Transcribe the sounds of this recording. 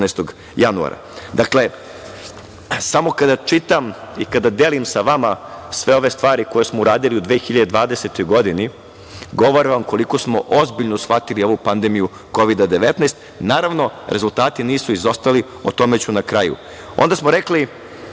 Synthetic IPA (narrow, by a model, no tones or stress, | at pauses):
ɛjst̪oɡ | janua̰ɾa̰d̪akle̞ | samo̞kad̪at͡ʂit̪amikad̪ad̪elimsaʋamasʋe̞o̞ʋe̞st̪ʋaːɾiko̞jesmouɾaːd̪iliud̪ʋeːxiʎad̪ed̪ʋaːd̪eset̪o̞jɡo̞d̪ini | ɡo̞ʋoɾaʋamko̞liko̞smoʔozbiʎnosxat̪ilio̞ʋupand̪emiju | ko̞ʋid̪ad̪e̞ʋet̪najst̪ | naːɾaʋno̞ɾʔe̞zult̪aːt̪iniːsuizo̞st̪ali | o̰t̪o̞met͡ɕunakɾajṵ | o̞̰nd̪asmoɾekli